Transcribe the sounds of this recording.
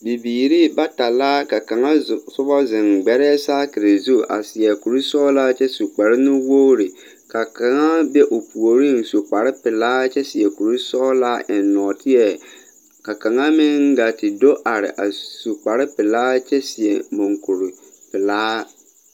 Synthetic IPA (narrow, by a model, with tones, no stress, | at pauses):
bi˨biː˨ɾi˦ba˦ta˨laː˦ka˨ka˨ŋa˦˨sʊ˦bɔ˦zɪ˨ŋɡ͡bɛ˨ɾɛː˦saː˦kɪ˨ɾe˨zu˦ʔa̰˨sɪ˨ɛ˨ku˨ɾi˦sɔː˦laː˦t͡ʃɛ˦su˨k͡pa˨ɾɪ˦nʊ˦wo˦ɾɪ˨ | ka˨ka˨ŋa˦bɛ˦ʔo˨pʰu˨o˨ɾi˦ŋ˨su˨k͡pa˨ɾɪ˦pɪ˨laː˦t͡ʃɛ˦sɪ˨ɛ˨ku˨ɾi˦sɔː˦laː˦ʔɪ˨nnːɔ˨tɪ˦ɛ˦˨ | ka˨ka˨ŋa˦mɪ̃˦ŋ˦ɡa˨tɪ˨do˦ʔa˨ɾɪ̰˨ʔa̰˨su˨k͡pa˨ɾɪ˦pɪ˨laː˦t͡ʃɛ˦sɪ˨ɛ˨mo˨ŋku˨ɾi˨ | pɪ˨laː˦